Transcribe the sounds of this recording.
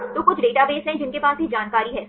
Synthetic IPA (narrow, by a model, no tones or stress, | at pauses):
t̪oːkʊt͡ʃʰɖeːʈabeːsɦɛ̃d͡ʒɪnkepaːsbʱid͡ʒaːnkaːɾiɦɛː